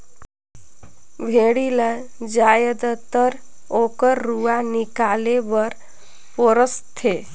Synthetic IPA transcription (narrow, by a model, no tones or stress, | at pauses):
bʱeɽiləd͡ʒaːjəd̪ət̪əɾ | okəɾːuanikaːlebəɾ | poɾəst̪ʰe